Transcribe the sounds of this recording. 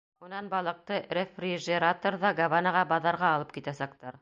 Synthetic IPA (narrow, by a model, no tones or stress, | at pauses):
unɑnbɑlˠɤ̆q̚t̪ɤɾʲefrʲiʒeɾat̪oɾðɑɡavanɑʁɑbɑðɑɾʁɑːlˠɤp̚kit̪æsæk̚t̪ɑɾ